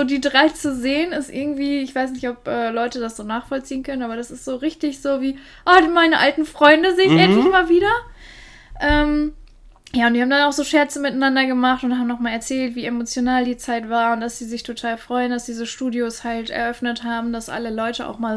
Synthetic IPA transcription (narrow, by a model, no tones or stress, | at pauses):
zoːdiːdʁaɪt͡suzeːənɪstʔɪɐɡŋ̩tv̥iːɪçv̥aɪsnɪçtɔpʔɛːlɔʏtədasz̥oːnaːχfɔlt͡siːənkʰœnənʔaːbɐdasɪstz̥oːʁɪçtɪçz̥oːviː | ʔadmaɪnəʔa̰ltn̩fʁ̥ɔʏndəzeːɪçʔɛntlɪçmaːlviːdɐ | ʔɛːm | jaːʊntd̥ihaːbm̩danaʊxz̥oːʃɛɐt͡səmɪtanːandɐɡəmaχtʊnthaːbm̩nɔχmaːlɛɐt͡sɛːltv̥iːemot͡sjonaːldiːt͡saɪtv̥aːɐʊntd̥asz̥iːzɪçtʰotʰaːlfʁ̥ɔʏəndasd̥iːzəʃtuːdjoshaltʔɛ̰ɐʔœfnəthaːbm̩dasʔa̰ləlɔʏtəʔa̰ʊxmaːl